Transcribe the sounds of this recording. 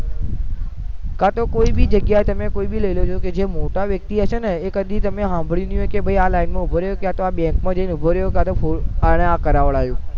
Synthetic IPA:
kat̪okoːiɓɪd͡ʑɐɡjaːɦet̪ɐmẽkoːiɓilɐilod͡ʒoked͡ʑeːmoːʈaʋjɐk̚t̪iɐsənekəd̪it̪ɐmẽɦãːmbʱɪɭĩnd̪ijũẽkebʱɐialaːɪnmẽʊbʱoɾəjokɪjat̪ʋãɓẽːŋkmãd͡ʑẽnʊbʱoɾəjokat̪ofʰoaːɽ̃eakɐɾaːʋəɭaːɦjoː

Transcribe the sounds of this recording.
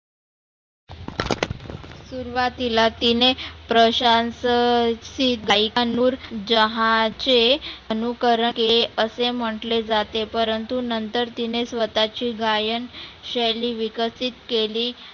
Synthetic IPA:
suɾʋat̪ilat̪inepɾəɕanssiɡajkanuːɾd͡ʑəɦãt͡ɕeənukəɾəkeleəsem̤əʈled͡zat̪epəɾənt̪unənt̪əɾt̪inesʋət̪at͡ɕiːɡajəɳɕeliːʋikəsit̪keliː

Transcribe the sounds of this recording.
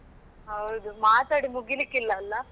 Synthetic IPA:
ɦɐwd̪umaːt̪aːɽimuɡilikːilːɐːlːɐ

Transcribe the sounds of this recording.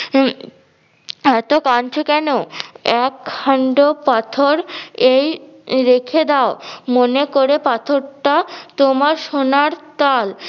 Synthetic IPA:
ɛt̪okant͡ɕʰokɛnoɛkaɳɖopat̪ʰoɾejɾekʰed̪aomonekoɾepat̪ʰoɾʈat̪omaɾʃonaɾt̪al

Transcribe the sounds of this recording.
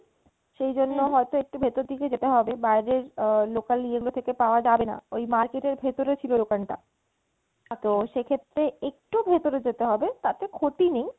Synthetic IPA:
ʃejd͡ʑonːoɦɔet̪oek̚ʈubʱet̪oɾd̪ʱiked͡ʑet̪eɦɔbebaeɾeɾlokalːieɡulot̪ʰekepaoad͡ʑabena̰ojmaɾkeʈeɾbʱet̪oɾet͡ɕʰiloɖokanʈa̰ | t̪oʃekʰet̪ːɾeek̚ʈubʱet̪oɾed͡ʑet̪eɦɔbet̪at̪ekʰoʈinej

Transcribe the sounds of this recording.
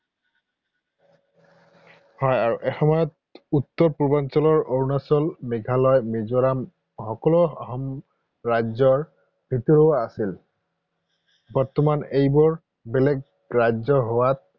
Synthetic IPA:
hɔjaɹuʔɛxɔmɔjɔt̚ | utːɔɹpuɹbansɔlɔɹoɹunasɔlmɛɡʱalɔjmizɔɹam | xɔkɔlɔɔ̰ɦɔm | ɹajzɔɹ | bʱitɔɹoaasil | bɔɹtɔmanejbɔɹ | belɛɡ̚ | ɹazɔɦowat̚

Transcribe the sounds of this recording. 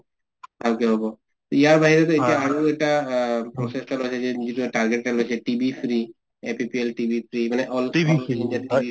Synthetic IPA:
akiabʱɔbɔ | t̪ɔijaɹbaɦiɾɛt̪ɔetiaaɹoɛk̚ʈapɹɔsestalojsʰɛzɛnizituʈaɹɡeʈːalojsʰɛʈibʱipʰɹi | epipielʈibʱipʰɹimanɛʔɔlind͡ʒat̪ii

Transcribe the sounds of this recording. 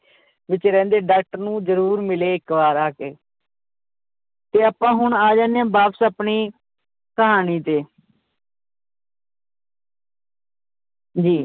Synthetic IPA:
ʋɪt͡ʃɾɛ̃ːnd̪eːɖaːk̚ʈəɾnũːd͡ʒəɾuːɾmɪleːɪkʋaːɾaːkeː | t̪eːapãːɦʊɳaːd͡ʒãːnjãːbaːpsəːpɳiː | kəɦaːniːt̪eː | d͡ʒiː

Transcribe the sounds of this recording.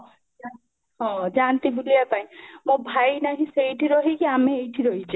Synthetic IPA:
d͡ʒa | ɦɔ̃d͡ʒant̪ibulijapaĩmobʱajnaɦĩsejʈʰiɾɔɦikiameejʈʰiɾɔɦit͡ʃʰe

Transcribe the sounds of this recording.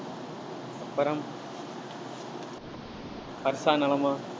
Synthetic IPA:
ɐpːɐɾɐm | pɐɾsaːnɐɭɐma

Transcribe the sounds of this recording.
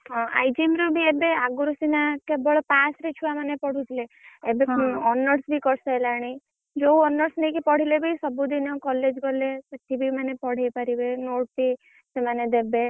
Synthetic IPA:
ɦɔ̃a̰jd͡ʒimɾubʱiebeaɡuɾusinakebɔɭɔpasɾet͡ʃʰuʋamanepɔɽ̤ut̪ʰleebeɔnəɾsbʱikɔɾsaelaɽ̃i | d͡ʒoɔnəɾsnəĩkipɔɽ̤ilebʱisɔbud̪inɔkɔled͡ʒɡɔlepət̪ʰibʱimanepɔɽ̤ejpaɾibenoʈ̚t̪i | semaned̪ebe

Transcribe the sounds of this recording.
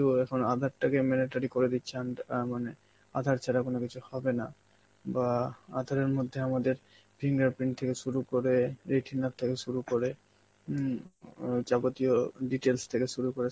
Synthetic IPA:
uɛkʰonad̪ʱaɾʈakemɛneʈaɾikoɾed̪it̪ːɕʰanmane | a̰d̪ʱaɾt͡ɕʰaɾakonokit͡ɕʰuhɔbena | baad̪ʱaɾeɾmod̪ʱːeamad̪eɾ | bʰʱiŋɡaɾpɾiɳʈ̚t̪ʰekeʃuɾukoɾeɾeʈʰinːatt̪ʰekeʃuɾukoɾe | d͡ʑabot̪ioɖiʈelst̪ʰekeʃuɾukoɾe

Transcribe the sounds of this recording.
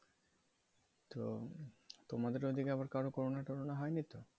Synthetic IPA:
t̪o | t̪omad̪eɾod̪ʱikeabaɾkaɾokɔɾonaʈoɾonaɦɔjnit̪o

